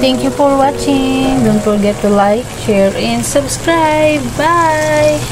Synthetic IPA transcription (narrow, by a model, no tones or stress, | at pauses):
t̪ɛ̃ŋkjufɔɹwat͡ʃɪ̃ŋdõnfɔɹɡɛtːulajkʃɛɹɛ̃nsəbskɾajbbaj